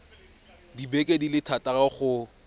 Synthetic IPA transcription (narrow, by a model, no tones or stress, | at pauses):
dibekʼedilɪtʰatʼaɣaχʊ